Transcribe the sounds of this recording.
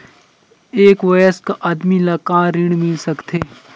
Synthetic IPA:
eːkʋɐjəskaʔɐd̪milɐkãɾɪɽ̃mɪlsɐkt̪ʰeː

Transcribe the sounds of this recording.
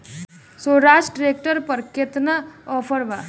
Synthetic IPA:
soɾaːd͡ʒɖɾek̚ʈəɾpəɾket̪naɔfʰəɾʋa

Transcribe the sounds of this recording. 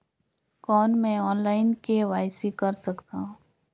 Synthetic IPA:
kɔːnmɛ̃ɔːnlaːɪnkeʋaːjsikɐɾsɐkt̪aːɦũː

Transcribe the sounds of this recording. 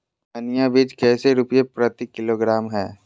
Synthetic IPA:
ɐnɪjabiːd͡ʒkɛːseɾʊpjepɾət̪ikɪloːɡɾaːmɦɛː

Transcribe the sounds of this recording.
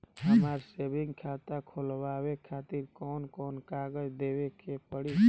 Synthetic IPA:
ɦəmaɾsebĩŋɡkʰat̪akʰolwawekʰat̪iɾkɔnkɔnkaɡəd͡ʒd̪ewekepəɽi

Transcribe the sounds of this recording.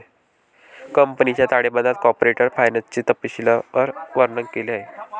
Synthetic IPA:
kəmpənit͡ɕjat̪aɽebəd̪ʱat̪̚kɔpɾeʈəɾfajnat͡ɕit̪əpːiɕiləəɾɡʋəɾnəŋkkːeleaɦe

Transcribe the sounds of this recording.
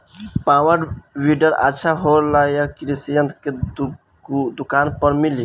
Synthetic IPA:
pawəɖwiɖəɾa̰tːʃʰaɦoɾlajakɾisijənt̪ke | d̪ukanpəɾmili

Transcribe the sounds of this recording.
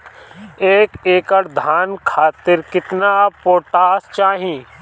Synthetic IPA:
eːkeːkəɽd̪ʱaːnkʰaːt̪ɪɾkɪt̪napoːʈaːst͡ʃaːɦĩː

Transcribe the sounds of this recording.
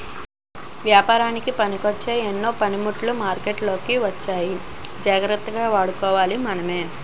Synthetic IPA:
ʋjaːpaːɾaːnikipɐnikot͡ʃːeːenːo̞ːpɐnimuʈlumaːɾkeːʈlo̞ːkiʋɐt͡ʃːaːji | d͡ʒaːɡɾɐt̪ːɐɡaːʋaːɽukɔːʋaːlimɐnɐme̞ː

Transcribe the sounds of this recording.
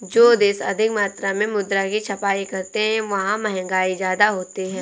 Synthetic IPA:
d͡ʒoːd̪eːsɐ̰d̪ʱɪkmaːt̪ɾamẽmʊd̪ɾakit͡ʃʰɐpaːikɐɾt̪eɦɛ̃ʋɐɦãmɛɦɛ̃ŋɡaːizjaːd̪aɦoːt̪iɦɛ̃ː

